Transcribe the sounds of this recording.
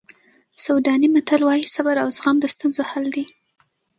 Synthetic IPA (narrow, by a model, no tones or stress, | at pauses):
sawd̪ɑnimat̪alwɑjisabaɾawzɣamd̪əst̪unzohald̪i